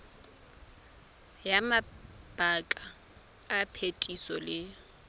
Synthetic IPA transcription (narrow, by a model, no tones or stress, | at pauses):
jamab̥akʼaː | pʰetʼisɔlɪ